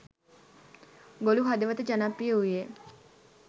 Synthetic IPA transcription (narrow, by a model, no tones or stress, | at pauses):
ɡoluɦad̪əʋət̪əd͡ʒanapːijəuje